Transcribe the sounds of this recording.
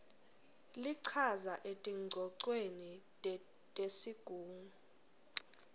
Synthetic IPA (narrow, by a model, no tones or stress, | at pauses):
liǀʰazaʔetʼiŋ͡ǀʱɔǀweni | tʼesiɡ̥ʱuːŋu